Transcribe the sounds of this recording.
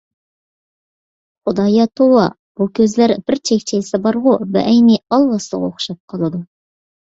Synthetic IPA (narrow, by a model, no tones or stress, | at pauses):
χʊd̪ɑjɑt̪ʰowɑ | b̥ukʲʰøzlæɾb̥ɪɾt͡ʃʰekʲt͡ʃʰesɪbɑɾʁʊbɛ̰ʔɛjniɑlˠwɑslˠə̰ʁoχʃɑp̚qʰɑlˠɨd̪u